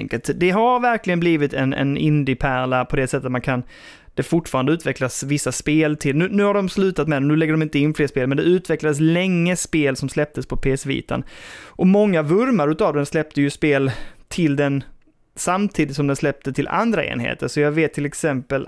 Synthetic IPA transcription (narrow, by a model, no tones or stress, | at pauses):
ŋkəlt̪d̪ɛɦaɾvæɾklɪɡənbliːvɪt̪ɛnɛ̰nɪnd̪ɪpʰæɾɭapʰɔd̪ɛsɛt̪ːət̪mankʰan | d̪̥ɛfʊʈːfɑːɾand̪əʉt̪vɛklasvɪsːaspeːlt̪ʰɪlnʉ̟ːnʉ̟ːhaɖɔmslʉ̟ːt̪at̪mɛd̪ɛnʉ̟lɛɡːəɖɔmɪnt̪əɪnːfleːspeːlmɛnd̪ɛʉ̟ːt̪vɛklad̪əs̬lɛŋːəspeːlsɔmslɛp̚t̪əspʰɔpʰeːsvḭːt̪a̰nʔɔmɔŋːavɵɾmaɾʉ̟ːt̪avd̪ɛnslɛp̚t̪əjɵspeːlt̪ʰɪld̪ɛn | samt̪ʰiːd̪ɪt̪sɔmd̪ɛnslɛp̚t̪ət̪ʰɪlʔa̰nd̪ɾaʔḛːnhḛːt̪əɾʂɔjɑɡveːt̪ʰːɪlɛksɛmpəl